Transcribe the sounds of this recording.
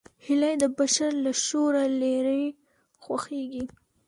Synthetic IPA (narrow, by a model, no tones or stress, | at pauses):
hɪlajd̪əbaʃaɾlaʃoɾaleɾəj | xwaxeɡi